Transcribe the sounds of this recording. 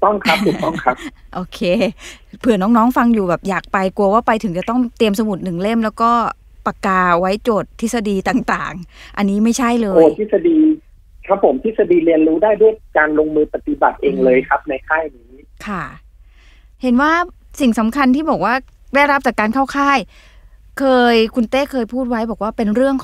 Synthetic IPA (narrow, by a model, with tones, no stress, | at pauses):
t̪ɔ˥˩ŋkʰa˦˥p̚t̪ʰu˨t̪ɔ˥˩kʰa˦˥p̚ʔoː˧kʰeː˧pʰɯ˨˩ɐnɔː˦˥ŋnɔː˦˥ŋfa˧ŋjuː˨˩bɛː˨˩p̚jaː˨˩k̚pa˧jku˧ɐwaː˥˩pa˧jt̪ʰɯ˩˦ŋt͡ɕa˨˩t̪ɔ˥˩ŋt̪i˧əmsa˧mu˨˩t̪̚nɯ˨˩ŋle˥˩mlɛː˦˥wkɔː˥˩ | pa˧kaː˧wa˦˥jt͡ɕoː˨˩t̪ʰːi˦˥sa˧diː˧t̪aː˨˩ŋt̪aː˨˩ŋʔa˧nːiː˦˥ma˥˩jt͡ɕʰa˥˩jlɤː˧oː˧˩t̪ʰi˥˩sa˧diː˧ | kʰa˦˥pʰːo˩˦mt̪ʰi˥˩sa˧diː˧li˧ənɾuː˦˥daː˥˩jdu˥˩əjkaː˧nlo˧ŋmɯː˧pa˧t̪i˨˧ba̰˨˩t̪̚ʔeː˧ŋlɤː˧jkʰa˦˥p̚na˧jkʰaː˥˩jniː˦˥ | kʰa˥˩ | he˩˦nwaː˥˩si˨˩ŋsa˨˩˦mkʰa˧nt̪ʰiː˥˩bɔː˨˩k̚waː˥˩ | daː˥˩jɾa˦˥p̚t͡ɕaː˨˩kːaː˧nkʰaː˥˩wkʰaː˥˩j | kʰɤː˧jkʰu˧nt̪eː˥˩kʰɤː˧jpʰuː˥˩t̪̚wa˦˥jbɔː˨˩k̚waː˥˩pe˧nɾɯ˥˩əŋ